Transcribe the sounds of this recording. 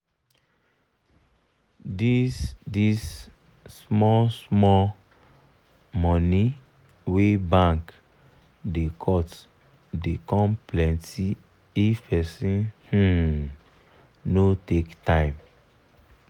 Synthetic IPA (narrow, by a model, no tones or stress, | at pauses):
didisː | mɔsmɔ | mɔni | webãŋk | dekʰɔt | dekɔ̃mplɛ̃nti | ifpɛsĩnh̩ | notektãɪ̃m